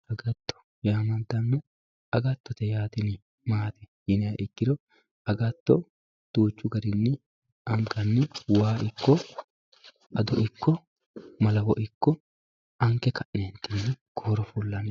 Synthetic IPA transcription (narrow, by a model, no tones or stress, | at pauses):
ɐɡɐt̪ːɔ̥ | jaːmɐnd̪ɐnːɛ | ɐɡɐt̪ːɔt̪ɛjaːt̪ɪnɪ | maːt̪ɛ̥ | jɪnɪɐʔɪkːɪɾɔ | ɐɡɐt̪ːɔ | d̪̥uːt͡ʃːʊɡɐɾɪnːɪ | ɐŋkɐnːɪwaːʔɪkːɔ | ʔɐd̪ɔʔɪkːɔ | mɐlɐwɔʔɪkːɔ | ʔɐŋkɛkɐʔneːnt̪ɪnːɪɡ̥oːɾɔfʊlːɐn